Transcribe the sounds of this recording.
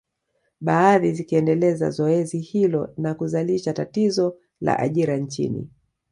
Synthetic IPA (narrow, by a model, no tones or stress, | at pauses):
ɓaːðizikiɛndɛlɛza̰zɔɛzihilɔnakuzaliʃatatizɔ | la̰ʔa̰ʄiɾant͡ʃḭnḭ